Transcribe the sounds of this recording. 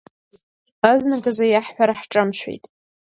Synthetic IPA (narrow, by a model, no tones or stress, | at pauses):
aznaɡazajaħħʷᶣaɾaħʈ͡ʂʼɨmʃʷᶣḛjtʼ